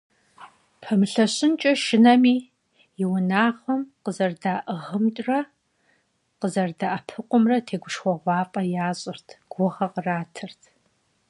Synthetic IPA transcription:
pʰɐmɨɬɐɕɪnt͡ʃʼɐʃɪnɐmiː | jɪwʊnaːʁɐmqəzɐrdaːʔɨʁəmt͡ʃʼrɐ | qəzɐrdaʔɐpʰɨqʷʼʊmrɐtʰeːɡʷʊʃχʷɔʁʷɑːpʼɐjaːɕʼɪrtʰɡ̥ʷʊʁɐqraːtʰɨrtʰ

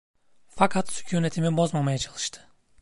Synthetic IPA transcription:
fakʰat̪sy̥cʰyːnet̪ʰimibo̞zmamajat͡ʃʰalˠɯʃt̪ʰɯ̥

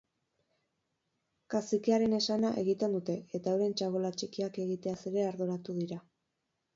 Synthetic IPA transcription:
kasikiaɾe̞ne̞sanaʔe̞ɣit̪e̞nd̪ut̪e̞et̪auɾe̞nt͡ʃaɣolat͡ʃikiake̞ɣit̪e̞aseɾe̞aɾðuɾat̪uðiɾa

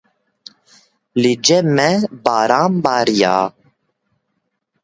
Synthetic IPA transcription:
lid͡ʒɛmɛbɑːɾaːmbɑːɾija̰ː

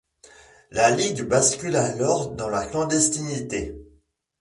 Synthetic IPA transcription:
laliɡbaskʲylalɔʁd̪ɑ̃laklɑ̃d̪ɛst̪init̪e

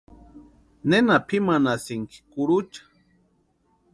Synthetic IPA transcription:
nenapʰimanasɪŋki̥kʊɾut͡ʃḁ

